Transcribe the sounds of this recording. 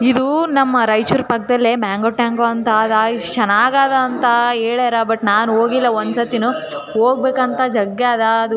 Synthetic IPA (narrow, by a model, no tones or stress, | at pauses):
id̪unɐmːɐɾɐjt͡ʃuɾpɐk̚ːd̪ɐlːemaːŋɡoʈːaːŋɡoːɐnt̪ɐːd̪at͡ʃɐnaːɡaːd̪ɐːnt̪ɐeːɭeːɾɐbɐʈːnaːnuoːɡilːɐond̪sɐt̪inuɦoːɡ̚beːkɐnt̪ɐd͡ʒɐɡaːd̪ɐːd̪u